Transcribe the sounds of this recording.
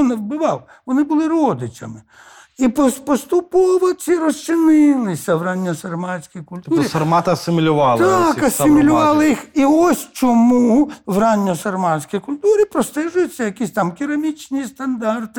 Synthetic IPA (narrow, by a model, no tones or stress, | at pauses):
nɛwbɪʋɑw | ʋɔnɪbʊlˠɪɾɔd̪ɪt͡ʃʲɐ̰mɪ | ipɔspɔst̪ʊpɔʋɔt͡sʲiɾɔst͡ʃɪnɪlˠɪsʲɐʋrɑnʲːɔsɐrmɑsʲkʲijkʊlʲt̪uɾisɐrmɑt̪ɐɐsɪmʲilʲʊʋɑlˠtɑkɐsɪmʲilʲʊʋɑlˠɪjixiɔsʲt͡ʃɔmuʋrɑnʲːɔsɐrmɑsʲkijkʊlʲt̪uɾʲipɾɔst̪ɛʒʊjʊt͡sʲːɐjɐkʲisʲt̪ɑmkʲiɾɐmʲit͡ʃnʲist̪ɐnd̪ɑrt̪ɪ